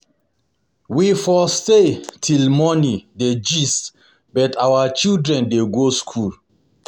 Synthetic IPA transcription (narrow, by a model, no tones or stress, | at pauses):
wifɔstetʰilmɔnĩded͡ʒist | bɛtawət͡ʃildɹɛ̃ndeɡoskʰul